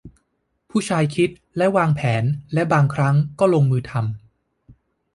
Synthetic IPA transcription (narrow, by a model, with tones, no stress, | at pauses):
pʰuː˥˩t͡ɕʰaː˧jkʰi˦˥t̪̚ | lɛ˦˥waː˧ŋpʰɛː˩˦nlɛ˦˥baː˧ŋkʰɾa˦˥ŋkɔː˥˩lo˧ŋmɯː˧t̪ʰa˧m